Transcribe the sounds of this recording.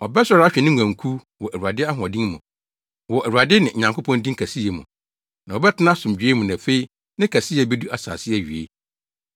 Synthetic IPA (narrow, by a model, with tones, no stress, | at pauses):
ɔ˨bɛ˦sɔ˨˦ɾa˦ɕᶣɛ˨nɪ̃˦ŋʷ˨ã˨ŋkʰu˦ | wɔ˨ʔæ˨wu˨a˨dɪ˦a˦ɦɔ̃˨dĩ˦nmʊ̃˨ | wɔ˨ʔæ˨wu˨a˨dɪ˦nɪ̃˨ɲã˨ŋko˦pʰɔ̃˦ndĩ˦ŋ˦kʰæ˨si˦e˨mṵ̃˨ | nã˨ɔ˨bɛ˦tʰɪ˦nã˦sʊ̃˨md͡ʑᶣe˦mũ˨nã˨fe˦i˦ | nɪ̃˦kʰæ˨si˦˨ɛ˨bɛ˦du˦a˨sa̰ː˨sɪ˦ɛ˨ɥi˨ḛ˦